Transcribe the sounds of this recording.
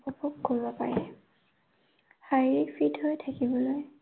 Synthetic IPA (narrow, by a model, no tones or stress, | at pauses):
ɔpukkoɹbɔpaɹɛ | haɹiɹifʰitɦojtʰakibɔloj